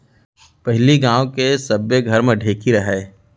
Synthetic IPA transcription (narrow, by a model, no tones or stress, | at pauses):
pɛɦliɡãːwkesɐbjeɡʱɐɾmẽɖʱeːkiɾɐɦɛː